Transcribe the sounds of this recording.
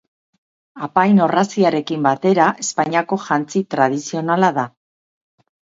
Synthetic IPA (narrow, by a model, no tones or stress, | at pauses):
apajno̞rasiaɾe̞kimbat̪e̞ɾaʔe̞spaɲiako̞ʝant͡sit̪ɾað̞isio̞nalaða